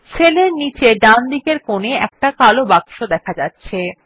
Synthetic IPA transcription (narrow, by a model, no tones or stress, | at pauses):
ʃeleɾnit͡ɕeɖand̪ikeɾkoneɛk̚ʈakalobakʃod̪ɛkʰad͡ʑatːɕʰe